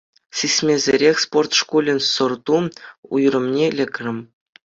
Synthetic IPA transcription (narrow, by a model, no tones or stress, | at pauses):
sʲisʲmʲezʲeɾʲexʲsport̪ʂkulʲɘ̆nʲsŏrt̪uṵjrɤ̆mnʲelʲɘ̆kʲrʲɘ̆mʲ